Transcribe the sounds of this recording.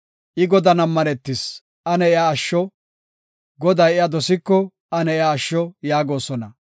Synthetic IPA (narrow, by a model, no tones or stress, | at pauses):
ʔɪɡɔd̪ɐnɐmːɐnɛt̪ːɪs | ʔɐnɛɪaːʃːɔ | ɡɔd̪ɐjɪjad̪ɔsɪkːɔ | ɐnɛɪaːʃːɔjaːɡo̞ːsɔnɐ